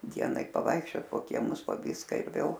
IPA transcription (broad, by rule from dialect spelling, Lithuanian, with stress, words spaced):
ˈdʲiɛnɐɪ pɐˈʋɐɪkʃʲt͡ʃʲoːt poː kʲiɛˈmʊs poː ˈʋʲiːskɐ ɪr ˈʋʲeːlˠ